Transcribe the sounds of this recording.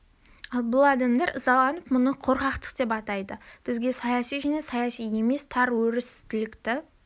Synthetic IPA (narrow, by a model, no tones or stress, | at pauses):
ɑlˠbʊlˠɑd̪ɑmd̪ɑɾəzɑlˠːɑnəpmʊnəqʰoɾqɑqt̪ə̥qd̪e̞p̬ɑt̪ɑjd̪əb̥ɪzɡʲe̞sɑjɑsijʒæne̞sɑjɑsije̞me̞st̪ʰɑɾwɵɾɪst̪ʰɪlɪkt̪ɪ